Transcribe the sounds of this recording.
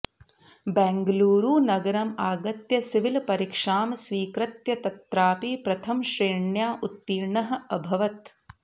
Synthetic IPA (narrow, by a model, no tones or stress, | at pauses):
bɛːŋɡɐluːɾuːnɐɡɐɾɐmaːɡɐt̪jɐsiʋilpɐɾikʂaːmsʋiːkɾɐt̪jɐt̪ɐt̪ɾaːpipɾɐt̪ʰɐmʃɾeːɳjaːʔut̪ːiːɾɳɐɦɐ̆ɐbʱɐʋɐt̪